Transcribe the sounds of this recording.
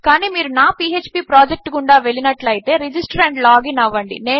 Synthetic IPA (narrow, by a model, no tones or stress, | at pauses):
kaːniːmiːɾunaːpiet͡ʃpiːpɾaːd͡ʒek̚ʈkuɳɖaːʋe̞ɭinɐʈlɐjit̪e̞ːɾid͡ʒisʈɐɾɐɳʈlaːɡinɐʋːɐɳɖḭne̞ː